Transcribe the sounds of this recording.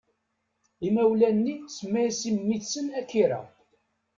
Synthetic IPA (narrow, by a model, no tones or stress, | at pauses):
imæwlænːismːæsimːiθsənækːiɾæ̰